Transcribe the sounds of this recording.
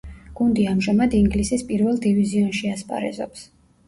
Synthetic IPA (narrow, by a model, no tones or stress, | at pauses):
ɡ̥und̪iamʒamad̪iŋɡlisispʼiɾvɛlˠd̪iviziɔnʃiaspʼa̰ɾɛ̰zɔ̰ps